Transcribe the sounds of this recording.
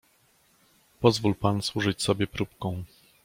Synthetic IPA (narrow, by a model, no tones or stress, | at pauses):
pɔzvulpanswuʐɘt͡ɕsɔbʲjɛpɾup̚kɔ̃w̃